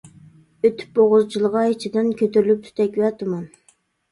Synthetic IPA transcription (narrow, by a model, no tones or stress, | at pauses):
øt̪ʰːy̥p̚boʁʊzt͡ʃʰilˠəʁɑit͡ʃʰid̪ɪnkʲʰøt̪yɾylyp̚t̪ʰy̥t̪ɛkʲwɛt̪ʰɨmɑn